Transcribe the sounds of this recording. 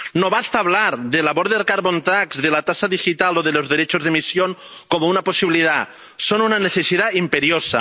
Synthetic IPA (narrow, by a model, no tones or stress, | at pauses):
noβast̪aːβ̞laɾðelaβoɾðeɾkaɾβont̪akzðelat̪asaðixit̪aloðelozðeɾet͡ʃozðemisjoŋkomounaposiβiliða | sonunaneθesiðaimpeɾjosa̰